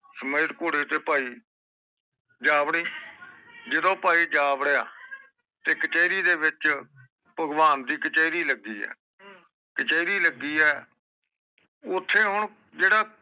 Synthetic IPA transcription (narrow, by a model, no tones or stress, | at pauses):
səməjt̪koːɽeːt̪eːpaːiː | d͡ʒaːbɽiː | d͡ʒɪd̪õːpaːiːd͡ʒaːbɽəjaː | t̪eːkət͡ʃɛːɪɾiːd̪eːʋɪt͡ʃ | pəɡʋaːnd̪iːkət͡ʃɛːiɾiːləɡːiːɛ̰ː | kət͡ʃəːiɾiːləɡːiːɛː | ʊt̪ʰːeːɦʊɳ | d͡ʒeːɽaː